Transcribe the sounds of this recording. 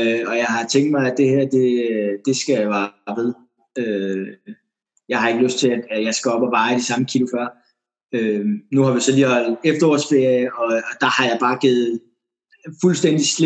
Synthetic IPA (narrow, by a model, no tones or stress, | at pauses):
øɒ̽jɑ̈ɪɦɑ̈t͡sʰeŋ̰̥̚d̥mɑ̈ɪæd̥e̝hæɐ̰d̥e̝d̥e̝sɡ̥æjʋɑ̈ːʋeðˠ | ø | jɑ̈ɪhɑ̈e̝ɡ̥əløsd̥t͡sʰe̝læd̥æjɑ̈ɪsɡ̥ɒɒb̥ɒʋɑ̈ːiɾ̥isɑ̈məkʰilofɶɐ̰ | ønuhɑ̈ʋisɒ̽liːhɒ̽l̰d̥efd̥ɐɒ̰ːsb̥eɒ̽ːd̥ɑ̈hɑ̈jɑ̈ɪb̥ɑ̈ːɡ̥eð̩ˠ | fulsd̥en̰d̥isle